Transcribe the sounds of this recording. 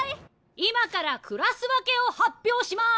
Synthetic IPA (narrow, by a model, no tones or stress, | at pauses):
i | imakaɾakʰɯ̟ɾasɨβake̞o̞hapʲːjo̞ːɕima